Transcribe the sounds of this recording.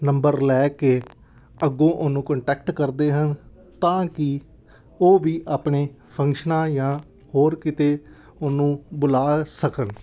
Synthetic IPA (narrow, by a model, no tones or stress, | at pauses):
nəmbəɾlɛːkeː | əɡõːʔʊnːũːkəɳʈɛːk̚ʈkəɾd̪eːɦən | t̪ãːkɪ | oːʋiːʔaːpɳeː | pʰəŋkʃənãːjãː | hoːɾkɪt̪eː | ʊnːũːbʊlaːsəkən